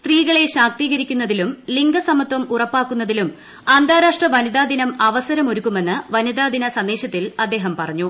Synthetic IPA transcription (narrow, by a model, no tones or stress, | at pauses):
st̪riːɣɐɭe̞ɕaːk̚t̪iːɣɐɾikʲːunːɐðilumliŋɡɐsɐmɐt̪wɐmurɐpːaːkːunːɐðilum | aːnd̪ʱaːɾaːʂʈrɐʋɐnid̪aːd̪ʱinɐmɐʋɐsɐɾɐmo̞ɾukːume̞nːɨʋɐnid̪aːd̪ʱinɐsɐnd̪eːɕɐt̪ːilɐd̪ːe̞ːɦɐmpɐrɐɲːu